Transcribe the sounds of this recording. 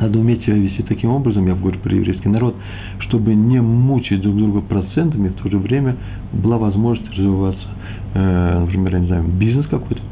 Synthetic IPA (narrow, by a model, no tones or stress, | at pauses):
nad̪əʊmʲetʲsʲɪbʲavʲɪsʲtʲit̪ɐkʲimo̞bɾəzəmjaɡəvɐɾʲupɾə̰jɪ̰vɾʲḛjskʲɪjnɐɾo̞t̪ | ʂt̪o̞bɨnʲɪmut͡ɕɪt̚ʲd̪ɾuɡd̪ɾuɡəpɾɐt̪sɛnt̪əmʲɪft̪ʰo̞ʐɨvɾʲemʲə | bɨlˠavɐzmo̞ʐnəsʲtʲrəzvʲɪvat̪sə̥ | nəpɾʲɪmʲerjanʲɪznajʊbʲiznəskɐko̞jt̪ə̥